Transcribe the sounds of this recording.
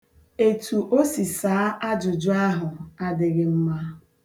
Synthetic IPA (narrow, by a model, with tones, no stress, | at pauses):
e˨tu˨ʔo˦si˨saː˨˦ʔa˦d͡ʒʊ˨d͡ʒʊ˦a˦ɦʊ˨a˦dɪ˨ɡɪ˨m̩˦ma˦